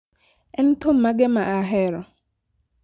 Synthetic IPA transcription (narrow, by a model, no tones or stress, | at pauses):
ɛn̩tʰom̩maɡemaʔaɦɛɾɔ